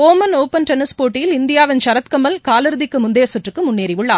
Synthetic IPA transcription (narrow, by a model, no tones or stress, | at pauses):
oːmɐnoːpːɐnʈɛnɪspoːʈːɪjɪlɪnd̪ɪjaːʋɪnt͡ʃɐɾɐt̪kɐmɐlkaːlɪɾɯðɪkːɯmʊnd̪eːɐsʊʈrɯkːɯmʊnːeːɾɪʋʊɭːaː